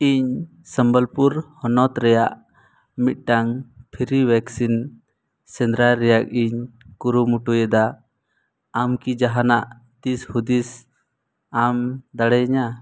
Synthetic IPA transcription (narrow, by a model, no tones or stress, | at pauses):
iɲ | səmbəlpuɾhɔnɔt̪ɾɛjaʔ | mit̪̚ˀʈaŋpʰiɾiwɛksin | sɛnd̪ɾaɾɛjak̚iɲkuɾumuʈujɛd̪a | mkid͡ʒaɦanaʔ | t̪ishud̪is | amd̪aɽɛɲa